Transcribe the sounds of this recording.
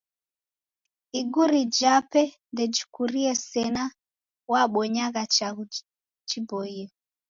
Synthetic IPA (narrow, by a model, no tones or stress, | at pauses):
iɡuɾid͡ʒapɛ | ndɛd͡ʒukuɾiɛsɛna | waɓɔɲaɣat͡ʃaɣu | t͡ʃibɔiɔ